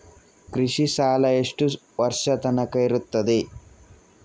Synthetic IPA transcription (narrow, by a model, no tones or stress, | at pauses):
kɾiʂiʃaːlɐeʂʈu | ʋɐɾʂɐt̪ɐnɐkɐjɾut̪ːɐd̪i